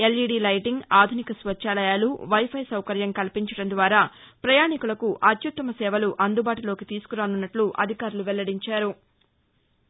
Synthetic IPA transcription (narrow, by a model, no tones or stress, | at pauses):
eliːɖiːlɐjʈiŋɡaːd̪ʱunikɐsʋɐtːʃaːlɐjaːluʋɐjpʰɐjsɐwkɐɾjɐmkɐlpiɲt͡ʃɐɽɐnd̪ʋaːɾaːpɾɐjaːɳikulɐkuʔɐt̪jut̪ːɐmɐsɛːʋɐluʔɐnd̪ubaːʈulo̞ːkit̪iːsu̥kuɾaːnunːɐʈluʔɐ̰d̪ʱikaːɾuluʋɛlːɐɽiɲt͡ʃaːɾu